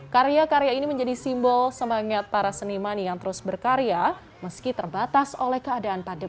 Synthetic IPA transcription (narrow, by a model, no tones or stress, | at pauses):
kaɾeakaɾejainiməɲd͡ʒadisimbɔlsəmaŋat̪̚paɾasənimanjaŋt̪əɾʊsbərkaɾea | məskit̪ərbat̪asolɛhkəadaanpadə